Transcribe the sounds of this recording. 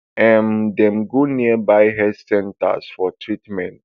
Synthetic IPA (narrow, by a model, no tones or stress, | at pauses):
ɛ̃ndɛ̃mɡoniəbajɦɛsɛ̃nta̰sfɔtʰɹitmɛ̃nt̚